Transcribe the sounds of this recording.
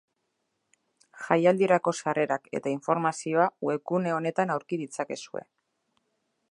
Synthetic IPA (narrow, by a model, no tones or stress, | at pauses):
xajald̪ieɾako̞sare̞ɾake̞̰t̪aiɱfo̞ɾmasio̞awe̞kune̞o̞ne̞t̪anawɾkiðit͡sake̞sue̞̰